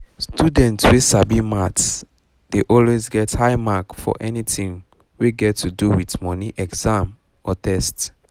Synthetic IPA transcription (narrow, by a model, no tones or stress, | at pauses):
studɛ̃ntswesabimats | d̥eʔɔlwezɡɛthaɪmakfɔ̰ʔɛnitĩŋ | weɡɛtʰːuduwitmɔniʔɛɡz̥ãm | ɔtʰɛst